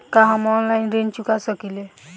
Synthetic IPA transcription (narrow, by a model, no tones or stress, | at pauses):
kaɦãmɔnlajnɾent͡ʃukasəkile